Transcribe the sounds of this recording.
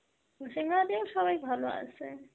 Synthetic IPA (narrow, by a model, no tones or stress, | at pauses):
usiŋad̪eoʃɔbajbʱaloa̰sʰe